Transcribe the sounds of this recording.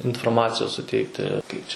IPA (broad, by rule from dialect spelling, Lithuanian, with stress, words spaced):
ɪnfoːrˈmɑːt͡sʲɪjoːs sʊˈtʲɛɪktʲɪ ˈkɐɪp t͡ʃʲɛ